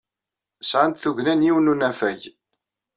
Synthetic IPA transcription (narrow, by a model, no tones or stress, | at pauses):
sʕant̪θuʝnænjiwnunæfæʝ